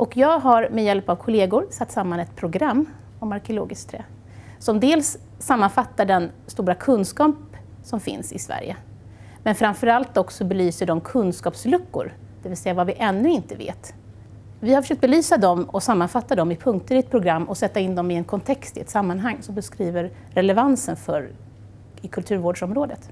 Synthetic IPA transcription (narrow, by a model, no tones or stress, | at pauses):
ʔɔkjɑːɡɦaɾmɛjɛlpavkʰʊleːɡʊɾsat̪ːsamːanɛt̪pʰɾʊɡɾamː | ɔmaɾkɪʊlo̰ːɡɪskt̪ʰɾɛː | sɔmd̪eːlsː | amːanfat̪ːaɖɛnst̪uːɾakʰɵnːskɑːp | sɔmfɪ̰nsɪ̰svæ̰ɾjə̰ | mɛnfɾanfœɾalt̪ɔksɔbɛlyːsəɖɔmkʰɵnskɑːpslɵkːʊ̰ɾ | d̪̥ɛvɪlsɛjːavavɪʔɛnːɵɪnt̪əvḛːt̪ | vɪhaɾfœʂøːk̚t̪bɛlyːsad̪ɔmɔsamːanfat̪ːad̪ɔmɪpʰɵŋk̚t̪əɾɪɛt̪̚pʰɾʊɡɾamːʔɔsɛt̪ːaɪnd̪ɔmɪɛnkʰɔnt̪ʰɛkst̪ɪɛt̪samːanɦaŋːsɔmbɛskɾiːvəɾ | ɾɛlɛvansənfœɾ | ɪkʰɵlt̪ʰʉ̟ːɾvoːɖʂɔmɾoːd̪ət̪